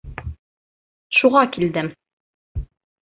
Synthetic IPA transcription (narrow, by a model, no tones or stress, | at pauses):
ʃuʁɑkild̪ɘm